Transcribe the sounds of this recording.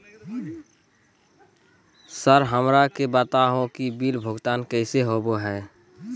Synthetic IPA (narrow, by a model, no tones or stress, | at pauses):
səɾɦəmɾakebət̪aɦõkibiːlbʱʊɡt̪aːnkəɪseɦoboɦɛː